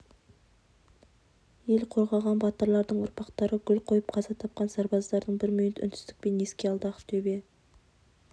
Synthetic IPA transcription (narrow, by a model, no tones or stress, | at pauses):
je̞lqʰo̞ɾʁɑʁɑnbɑt̪əɾlˠɑɾd̪əɴʊɾpɑqt̪ɑɾəɡʲʏlqʰo̞jəp̚qʰɑzɑt̪ʰɑp̚qɑnsɑɾbɑzd̪ɑɾd̪əɴbɪɾmʏjɪt̪ʏ̰nd̪ɪ̥st̪ɪ̥k̚pe̞neskʲe̞ɑlˠd̪ɑqt̪ʰɵbe̞